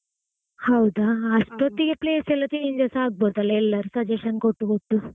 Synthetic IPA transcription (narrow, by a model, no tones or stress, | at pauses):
hɐwd̪aɐsʈot̪ːiɡepleːsɛlːɐt̪iiɲd͡ʒasɐaːɡ̚bot̪ɐlːɐɛlːɐɾusɐd͡ʒeʃɐnkoʈːukoʈːu